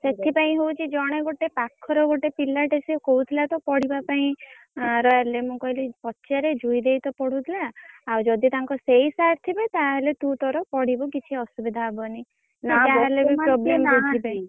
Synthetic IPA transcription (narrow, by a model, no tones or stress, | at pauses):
set̪ʰipaĩɦowt͡ʃʰid͡ʒɔɽ̃eɡoʈepakʰːɔɾɔɡoʈepilːaʈesikɔut̪ʰilat̪ɔpɔɽ̤ibapaĩ | ɾɔjalemũkɔɦilipɔtːʃaɾed͡ʒujd̪ejt̪ɔpɔɽ̤ut̪ʰilaːwd͡ʒɔd̪it̪aŋkɔsejsaɾt̪ʰibet̪aɦelet̪ũt̪ɔɾɔpɔɽ̤ibɔkit͡ʃʰiɔsubid̪ʱabɔni | naaɦalebipɾɔblemɔkoipaĩ